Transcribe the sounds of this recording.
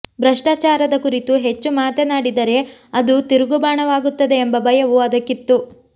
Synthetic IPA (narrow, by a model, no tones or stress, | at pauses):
bɾɐʂʈaːt͡ʃaːɾɐd̪ɐkuɾit̪uɦe̞t͡ʃːumaːt̪enaːɽid̪ɐɾe̞ɐd̪ut̪iɾuɡubaːɳɐʋaːɡut̪ːɐd̪eːmbɐbɐjɐʋuɐd̪ɐkːit̪ːu